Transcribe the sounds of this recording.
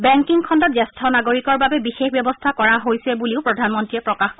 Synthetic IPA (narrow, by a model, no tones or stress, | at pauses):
bɛŋkiŋkʰɔndɔt̚zɛstʰɔnaɡoɹikɔɹbabɛbixexbjɛbɔstʰakɔɹaɦojsɛbuliʊpɹɔdʱanmɔntɹiɛpɹɔkaxkɔ